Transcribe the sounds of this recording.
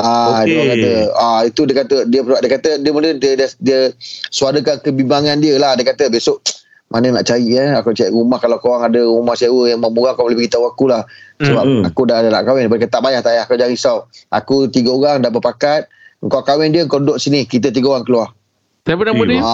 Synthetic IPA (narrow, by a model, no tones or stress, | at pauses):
adəakat̪əait̪udiəkat̪ədiəpəaʔ̚diəkat̪ədiəmundədəddiəsuaɾəkankəbibaŋandiəlahdiəkat̪əbesʊʔ | mʔanəna̰ʔt͡ʃaiʔəakut͡ʃaiʔɾumahkalawkawaŋadəɾumahsiawəjaŋmamuɣaŋkaləbəkit̪awakulahsəbap̚a̰kudadana̰ʔkawɛndpadkat̪aʔbajaht̪ajiakad͡ʒaŋisawʔa̰kut̪iɡəoɾaŋdabəpakat̪̚əŋkakawɛndiəəŋkawdoʔsinihkit̪̬ət̪̬iɡəoɣaŋkəluah | pənaəa